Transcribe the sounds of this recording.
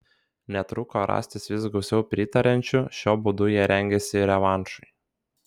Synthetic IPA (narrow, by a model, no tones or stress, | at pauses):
nʲɛt̪ɾʊkoɾɑ̰ːsʲt̪ʲɪsʋʲɪs̬ɡɒʊsʲɛʊpʲɾʲɪt̪ɐɾʲɛnʲt͡ʃʲʊʃʲoːbʊd̪ʊjiɛɾʲɛŋʲɡʲɛsʲɪɾʲɛʋɑˑnʃʊɪ